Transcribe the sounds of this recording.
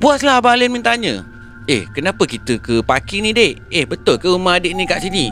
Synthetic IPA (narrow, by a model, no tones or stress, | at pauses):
buaslahbalenmint̪aɲə̰̃ | ehkənapəkit̪əkəpakinĩdeʔehbət̪ʊlkəumaadeʔnikaʔsini